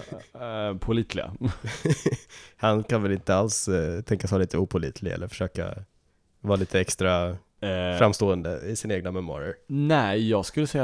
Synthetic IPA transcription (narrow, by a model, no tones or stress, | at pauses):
pʰʊliːt̪ʰlɪɡa̰ | hankʰanvɛlɪnt̪əalst̪ʰɛŋkasvɑːliːt̪əuːpʰʊlḭːt̪ʰlɪɛ̰lːəɾfœ̥ʂøːka̰ | vɑːliːt̪ʰəɛkst̪ɾa | fɾamːst̪oːənd̪əɪsɪnaeːɡnamɛma̰ːɾəɾnɛjɑːɡskɵlːəsɛjːa